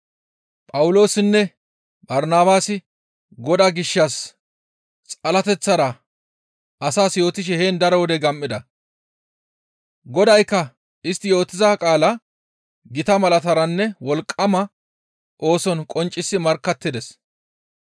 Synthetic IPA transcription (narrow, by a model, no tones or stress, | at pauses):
pʼɐwʊlo̞ːsɪnːɛ | bɐɾnaːbaːsɪ | ɡɔd̪aːɡɪʃːɐs | t͡sʼɐlɐt̪ɛt͡sːɐɾɐ | ɐsaːsjo̞ːt̪ɪʃ̬ɛhe̞ːnd̪ɐɾɔwɔd̪ɛɡɐmʔːɪd̪ɐ | ɡɔd̪ɐjkːɐ | ɪst̪ːɪjo̞ːt̪ːɪzaːkʼaːlɐ | ɡɪt̪ɐmɐlɐt̪ɐɾɐnːɛwɔlkʼːɐmɐ | ʔo̞ːsɔnkʼɔnt͡ʃʼːɪsːɪmɐɾkːɐt̪ːɪd̪ɛs